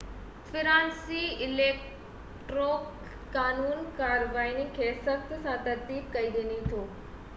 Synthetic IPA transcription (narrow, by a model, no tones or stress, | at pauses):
fʰɪɾãːnsiɪlek | ʈɾokː | aːnuːnkaɾʋainikʰesəkt̪sãt̪əɾt̪iːpkəid̪enit̪ʰoː